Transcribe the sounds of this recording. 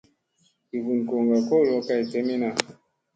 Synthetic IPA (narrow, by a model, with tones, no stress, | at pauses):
i˨ɡu˨n˨ko˨ŋɡa˨ko˦˨lɔ˦ka˦i˨tɛ˦mi˦na˨